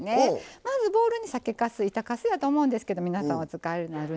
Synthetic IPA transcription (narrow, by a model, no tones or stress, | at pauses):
nemazɨbo̞ːɾɯ̟ɲ̟isake̞kasɨit̪akasɨjat̪oːmo̞ɯ̃nd̪esɨ̥ke̞d̪omʲinasãot͡sɨkaeɯnaɾɯ̟